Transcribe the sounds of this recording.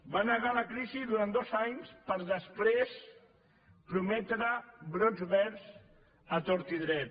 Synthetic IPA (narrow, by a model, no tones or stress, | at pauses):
banəɣaləkɾiziðuɾant̪d̪ozaɲspəɾðəspɾes | pɾumɛt̪ɾəbɾozβɛɾz | ət̪oɾt̪iðɾɛt̪